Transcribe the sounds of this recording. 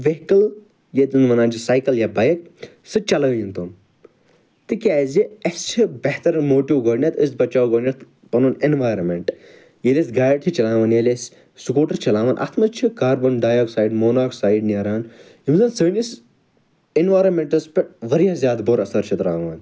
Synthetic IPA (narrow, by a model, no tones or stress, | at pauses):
ʋeɦkɐl | jet̪ɨnmɐnãːnt͡ʃʰisaːjkɐljabaːjɐk̚ | sɨt͡ʃɐlɐːjint̪om | t̪ɨkʲaːziɐst͡ʃʰibɐɦt̪ɐɾmoːʈiʋɡɐːɽnʲet̪əsbɐt͡ʃaːwɡəːnʲat̪ | pɐnuːnenʋaːjɾɐmeɳʈ | jelʲesɡaːjʈt͡ʃʰit͡ʃɐlaːʋaːnjelʲes | sukoːʈɐɾt͡ʃɐlãːʋaːnʔɐ̰t̪ʰmɐt͡ʃʰikaːɾbɐnɖaːjoːksaːiɖmoːnaːksaːiɖneːɾaːn | imzɐːnsəːnʲis | enʋaːɾɐnmeɳʈɐspeʋɐɾjãːzjaːd̪boɾɐsɐɾt͡ʃʰit̪ɾaːʋaːn